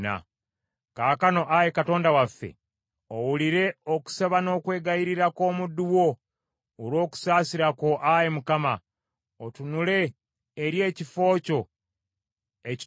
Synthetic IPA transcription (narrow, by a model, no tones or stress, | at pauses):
na̰ | kaːkano̞ʔaje̞kato̞ːndawafːe̞̰ | owuliɾe̞oku̥saβano̞ːkwe̞ːɡaiɾiɾako̞ːmudːuwo̞ː | ɾwo̞ːku̥saːsiɾako̞ʔajemukama | otunule̞ː | ɾje̞ːcifo̞ːco̞ | ec